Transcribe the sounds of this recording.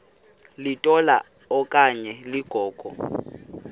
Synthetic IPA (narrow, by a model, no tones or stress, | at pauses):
lɪtʼɔla̰ | ɔkʼaɲɛlɪɡ̥ʱɔːkʼɔ̰